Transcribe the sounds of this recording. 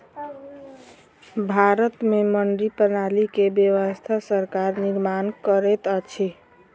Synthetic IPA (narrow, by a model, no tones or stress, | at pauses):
bʱaɾət̪meməɳɖɾipənalikebjəwəst̪ʰasəɾkaɾniɾmankəɾɛt̪ət͡ʃʰɛ